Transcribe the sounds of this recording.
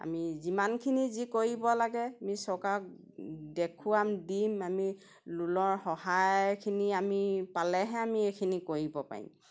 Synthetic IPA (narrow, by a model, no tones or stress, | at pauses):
a̰mizimankʰinizikoɹibɔlaɡɛamisɔkak | dekʰuamdimami | lulɔɹhɔhajkʰiniamipalɛɦɛamiekʰinikoɹibɔpa̰ɹḭm